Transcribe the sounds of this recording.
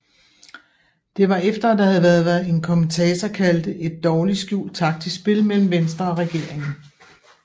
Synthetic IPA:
d̥e̝ʋɑ̈efd̥ɐæd̥ɑ̈hæð̩ˠʋæɐð̞ˠʋæɐð̩ˠe̝nkʰɒ̽mnt͡sʰɛːt͡sʰɐkʰæld̥əʔe̝d̥̚ːɒːlisɡ̥jṵːld̥̚t͡sʰɑ̈ɡ̥̚t͡sʰe̝sb̥e̝lmel̰m̩ʋensd̥ʁɐɒ̽ʁɛɡ̥e̝ɐ̰e̝ŋn̩

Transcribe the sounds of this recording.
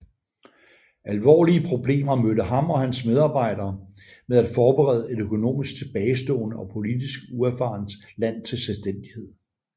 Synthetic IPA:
ælʋɒ̰ːliəpʰʁo̝b̥le̝̰ːmɐmødəɦɑ̈mɒ̽hænsmeð̞ˠɑ̈ːb̥ɑ̈ɪ̰ɾɐː | meðˠæd̥fɒːb̥eʁɛ̰ːð̞ˠəe̝ɾ̥økʰo̝no̝̰ːmisɡ̥t͡sʰe̝b̥ɛːɪsd̥ɔ̰̽ːnəɒ̽pʰo̝lidisɡ̥uæfɑ̈ːnd̥ | læn̰t͡sʰe̝lselsd̥en̰d̥ihe̝ð̞̰ˠ

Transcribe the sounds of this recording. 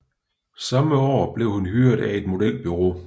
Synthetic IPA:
sɑ̈məɒ̰ːb̥le̝ʊhunɦyɐd̥æe̝d̥mo̝d̥el̰̚b̥yʁo̝ː

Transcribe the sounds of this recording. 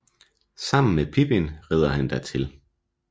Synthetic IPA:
sɑ̈m̰n̩mepʰib̥enʁɛð̞ˠɐhænd̥æɐt͡sʰe̝l

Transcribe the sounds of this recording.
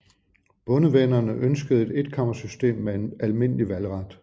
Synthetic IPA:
b̥ɔ̽nəʋenɐnəʔønsɡ̥əð̞̩ˠe̝d̥e̝d̥kʰɑ̈m̰ɐsysd̥e̝̰ːmːee̝nælme̝n̰əliʋælʁɑd̥

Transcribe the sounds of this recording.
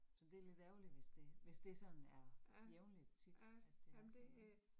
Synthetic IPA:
sɒ̽d̥e̝ɐle̝d̥æʊliʋe̝sd̥e̝ʋe̝sd̥e̝sɒ̽n̩æɐjeʊnlid̥t͡sʰid̥æd̥ːe̝

